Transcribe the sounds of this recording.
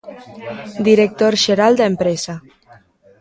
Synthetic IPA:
d̪iɾek̚t̪oɾʒeɾalˠd̪empɾɛza

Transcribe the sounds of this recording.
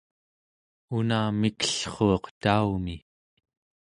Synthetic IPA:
unaːmikə̥ɬχoːqt̪aumi

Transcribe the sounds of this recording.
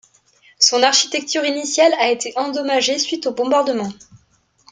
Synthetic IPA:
sɔ̃naʁʃi̥t̪ɛk̚t̪yʁinisjalaet̪ʰeʔɑ̃d̪ɔmaʒesɥit̪obɔ̃baʁd̪əmɑ̃

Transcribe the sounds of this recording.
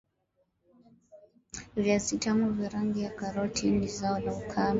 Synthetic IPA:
vjasitamuviɾaŋɡijakaɾɔtʰinizaɔlaukʰam

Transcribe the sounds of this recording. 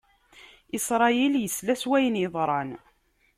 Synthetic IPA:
isɾˤɑjiljəslæswæjənjəðˤɾˤɑn

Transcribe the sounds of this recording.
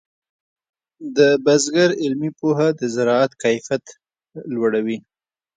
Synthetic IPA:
d̪əbazɡaɾɪlmipoɦad̪əzɪɾɑat̪kajfjat̪ | lwaɽawi

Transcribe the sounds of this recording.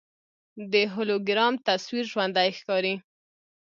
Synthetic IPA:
d̪əɦʊloɡɾɑmt̪aswiɾʒwand̪ajxkɑɾi

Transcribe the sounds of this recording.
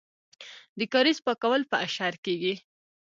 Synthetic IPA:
d̪əkaɾispakawəlpəʔaʃɑɾkeɡi

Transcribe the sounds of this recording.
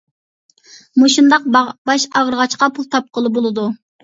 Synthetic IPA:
moʃund̪ɑq̚bɑʃɑʁɾəʁɑt͡ʃqɑpʰulˠt̪ʰɑp̚qəlˠbolˠɨd̪u

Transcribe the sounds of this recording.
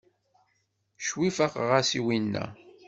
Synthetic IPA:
ʃwifaqʁasiwinːæ̰

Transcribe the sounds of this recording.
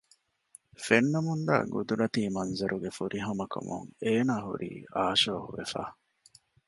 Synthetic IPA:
fenːɐmund̪a̰ːɡud̪uɾɐt̪iːmɐnzɐɾʔuɡefuɾʔiɦɐmɐkʰɐ̰muŋeːnaːɦṵɾʔḭːʔaːʃoːhuʋefæ̰ː

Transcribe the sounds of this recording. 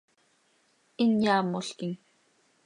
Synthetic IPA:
injaːmːoɬkiŋ

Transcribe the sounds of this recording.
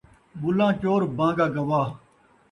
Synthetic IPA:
bʊlãːt͡ʃoːɾbãːɡaːɡɐʋaː

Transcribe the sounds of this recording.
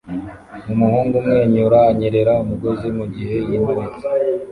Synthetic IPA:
mumuhuːŋɡumŋe̞ːɲuɾaːɲeɾe̞ɾaumuɡo̞zimuɟihe̞jinoezi

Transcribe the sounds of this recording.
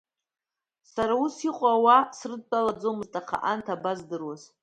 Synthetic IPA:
saɾausiqʷʼawasrɨd̚t͡pʼalad͡zo̞mɨztʼaχʰa̰ʔantʰabazdɨrwaz̥

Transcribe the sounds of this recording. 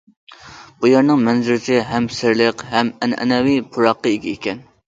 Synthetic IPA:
b̥ojɑɾnɨŋmɛnzyɾɪt͡ʃ̪ʰɪɦɛmsɪɾlɪqhɛmɛnɛ̰nɛwipʰʊɾɑqːɑeɡʲiekʲɛn

